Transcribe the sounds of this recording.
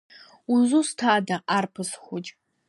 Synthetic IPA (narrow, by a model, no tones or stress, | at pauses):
uzustʰaːdaʔarpʰɨsχʷʊt͡ʃʼ